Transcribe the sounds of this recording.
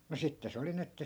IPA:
mu sitːe se oli ni etːæ

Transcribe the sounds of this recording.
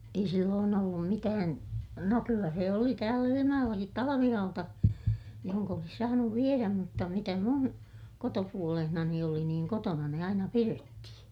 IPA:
ei silːoːn olːum mitæːn no kylːæ se oli tæːl ilimɑjoj̆elːɑkit tɑlɑʋihɑutɑ johoŋk olis sɑːnuʋ ʋieræm mutːɑ mitæ mun kotopuolehnɑni oli niːŋ kotonɑ ne ɑinɑ piretːihĩː

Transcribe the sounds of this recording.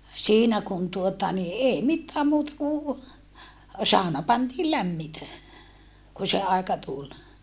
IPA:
siːnæ kun tuotɑ ni eː mitːæːm muːtɑ ku sɑˑonɑ pɑntiː læmːitæ ku se ɑekɑ tul

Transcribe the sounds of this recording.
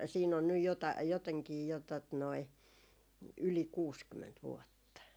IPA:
siːn on nyj jotɑi joteŋkiː jo tot noi yli kuːskymːent ʋuotːɑ

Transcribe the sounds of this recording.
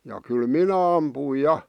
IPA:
jɑ kyl minæ ɑmpuˑĭj jɑ

